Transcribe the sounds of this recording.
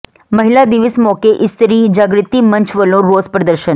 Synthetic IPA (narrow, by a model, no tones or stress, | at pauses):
məɦilad̪iʋəsmɔkeʔɪst̪ʰəɾid͡ʒaɡɾɪt̪imə̃ɲt͡ʃʋəlõɾoːzpɾəd̪əɾʃən